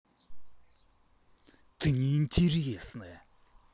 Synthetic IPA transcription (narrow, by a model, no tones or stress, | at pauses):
t̪ʰəɲint͡ɕiriisənɛː